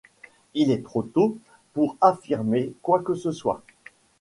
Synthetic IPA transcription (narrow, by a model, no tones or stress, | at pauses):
ilɛt̪χot̪o | puʁafiʁmekwakəsəswa̰